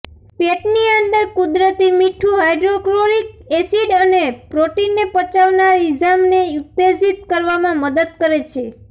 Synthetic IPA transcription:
peʈniənd̪əɾkud̪ɾət̪imiʈʰuɦajɖɾokloɾikesiɖənepɾoʈinːepət͡ʃaʋnaɾid͡ʒamneut̪ːezit̪̚kəɾʋamãməd̪əd̪̚kəɾet͡ʃʰe

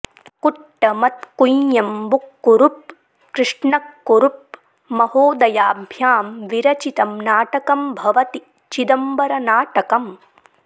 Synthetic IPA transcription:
kuʈːɐmɐt̪̚kujjɐmbukːuɾup̚ | kɾɪʂɳɐkːuɾup̚ | mɐhoːd̪ɐjaːbʱjaːmʋiɾɐt͡ʃit̪ɐmnaːʈɐkɐmbʱɐʋɐt̪i | t͡ʃid̪ɐmbɐɾɐnaːʈɐkɐm

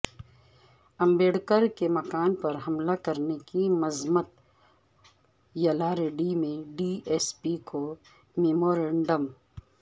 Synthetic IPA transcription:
ɐ̃mbeːɽkəɾkemɐkaːnpɐɾɦɐmlakɐɾnekimɐzmət̪ | jɐlaːɾeɖimẽɖieːspikʰo | meːmoːɾẽɳɖəm

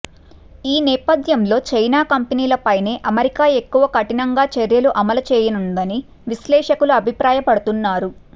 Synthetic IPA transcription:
iːnɛːpɐd̪ʱjɐmlo̞ːt͡ʃɐjnaːkɐmpeniːlɐpɐjne̞ːʔɐmɐɾikaːe̞kːuʋɐkɐʈinɐŋɡaːt͡ʃeɾjɐluʔɐmɐlɐt͡ʃɛːjɐnund̪ɐni | ʋislɛːʂɐkuluɐbʱipɾaːjɐpɐɽut̪unːaːɾu

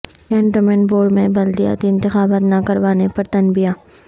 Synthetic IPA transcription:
kɛ̃ːɳʈəmɛɳboːɖmẽbɐld̪ija̰ːt̪iɪ̃nt̪ɪxaːbaːt̪nakɐɾʋaːnepɐɾt̪ɐnbijaː

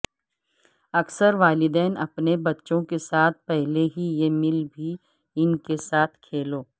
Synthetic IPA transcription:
ɐksəɾʋaːlɪd̪ɛːnɐ̰pnebɐtːʃõkesaːt̪̚ʰpɛɦleɦijemɪlbʱi | ɪnkesaːt̪ʰkʰeːloː

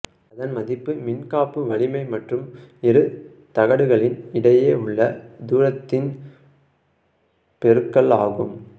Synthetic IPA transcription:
ɐðɐnmɐðɪpːɯmɪnkaːpːɯʋɐɭɪmɐɪmɐʈrɯmɛɾɯ | t̪ɐɣɐɽɯɣɐɭɪnɪɽɐjeːʊɭːɐd̪uːɾɐt̪ːɪn | pɛɾɯkːɐɭaːɣɯm

